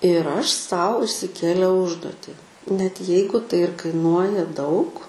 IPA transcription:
ɪr ˈɐʃ ˈsɐʊ ɪʃʲsʲɪˈkʲeːlʲɛʊ ˈʊʒduɔtʲɪ nʲɛt ˈjɛɪɡʊ tɐɪ ɪr kɐɪˈnuɔjɛ dɐʊk

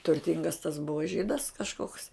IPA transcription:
tʊrʲˈtʲɪŋɡɐs tɐs ˈbʊʋoː ˈʒʲiːdɐs kɐʃˈkoːks

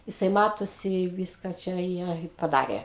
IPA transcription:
jɪˈsɐɪ ˈmɑːtoːsʲɪ ˈʋʲɪskɐ ˈt͡ʃʲɛ ˈjiɛ ɪ pɐˈdɑːrʲeː

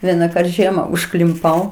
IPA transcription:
ˈʋʲiɛnɐˌkɐrt ˈʒʲiɛmɐ ʊʃklʲɪmˈpɐʊ

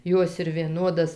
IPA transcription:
ˈjoːs ɪr ʋʲiɛˈnoːdɐs

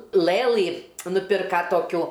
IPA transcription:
ˈlˠɘlˠɨ nʊˈpʲɪrkɐ toːˈkʲuː

